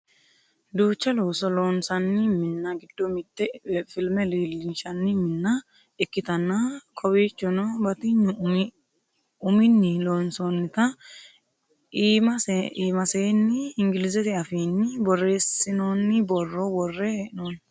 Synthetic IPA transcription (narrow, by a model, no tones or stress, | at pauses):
d̪uːt͡ʃːɐloːsɔloːnsɐnːɪmɪnːɐɡɪd̪̥ːɔmɪt̪ːɛfɪlmɛliːlːɪnʃɐnːɪmɪnːɐ | ɪkːɪt̪ɐnːɐkʰɔwiːt͡ʃːɔnɔbɐt̪ɪɲːʊm | ʊmɪnːɪloːnsonːɪt̪ɐ | mɐsiːmɐseːnːɪɪŋɡɪlɪzɛt̪ɪɐfiːnːɪbɔrːe̞ːsɪnoːnːɪbɔrːɔbɔrːɛɪnoːn